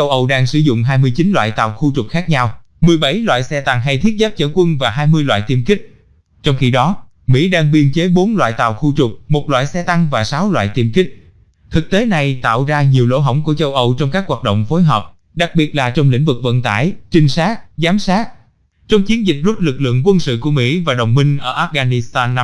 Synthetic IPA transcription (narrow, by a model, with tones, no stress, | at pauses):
t͡ɕə˧wʔə˧wɗaː˧ŋsɨ˧˩zʊ̰˧˨ŋ͡mɦaː˧jmɨ˧əjt͡ɕi˨˦nlwa̰ː˧˨jt̪a̰ː˧˨˩wxu˧t͡ɕʊ˨˩k͡p̚xaː˦˥k̚ɲa˧w | mɨ˨˩əjɓə˧˩jlwa̰ː˧˨jsɛ˧t̪a˧ŋɦa˧jt̪ʰi˦˥t̚zaː˦˥p̚t͡ɕəː˧˩kwə˧nvaː˨˩ɦaː˧jmɨ˧əjlwa̰ː˧˨jt̪i˧əmkï˦˥k̟̚ | t͡ɕɔ˧wŋ͡mxi˧ɗɔ˨˦ | mḭ˧˥ɗaː˧ŋɓi˧ənt͡ɕe˨˦ɓo˨˦nlwa̰ː˧˨jt̪a̰ː˧˨wxu˧t͡ɕʊ˨˩k͡p̚mo˨˩t̚lwa̰ː˧˨jsɛ˧t̪a˧ŋvaː˨˩saː˨˦wlwa̰ː˧˨jt̪i˧əmkï˦˥k̟̚ | t̪ʰɨ˨˩k̚t̪e˨˦na˨˩jt̪a̰ː˧˨wzaː˧ɲi˨˩əwlo̰˧˥ɦə˧˩wŋ͡mku˧˩ət͡ɕə˧wʔə˧wt͡ɕɔ˧wŋ͡mkaː˦˥k̚ɦwaː˨˩t̚ɗə̰˧˨wŋ͡mfo˨˦jɦɔː˨˩p̚ | ɗa˨˩k̚ɓi˨˩ət̚laː˨˩t͡ɕɔ˧wŋ͡mlḭ˧˥ŋ̟vɨ˨˩k̚və̰˧˨nt̪a̰ː˧˩jt͡ɕï˧ŋ̟saː˦˥t̚zaː˨˦msaː˦˥t̚ | t͡ɕɔ˧wŋ͡mt͡ɕi˨˦ənzï˨˩k̟̚zu˦˥t̚lɨ˨˩k̚lɨ̰˧˨əŋkwə˧nsɨ̰˧˨ku˧˩əmḭ˧˥vaː˨˩ɗə˨˩wŋ͡mmï˧ŋ̟ʔəː˧˩ʔaː˦˥ɣaː˧ni˧st̪aː˧nː˧˦